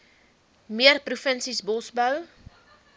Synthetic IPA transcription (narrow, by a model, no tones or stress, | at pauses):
miərprufənsisbɔsbəw